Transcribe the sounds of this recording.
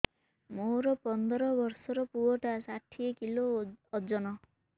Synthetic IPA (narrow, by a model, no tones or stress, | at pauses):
moɾɔpɔnd̪ɔɾɔbɔɾsɔɾɔpuɔʈasaʈʰiekiloɔd͡ʒɔnɔ